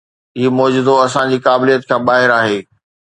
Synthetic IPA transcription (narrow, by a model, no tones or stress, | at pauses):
imɔːd͡ʑʊd̪oɐsãd͡ʑiːkaːbɪlijət̪kʰãːbaːɦɪɾaːɦeː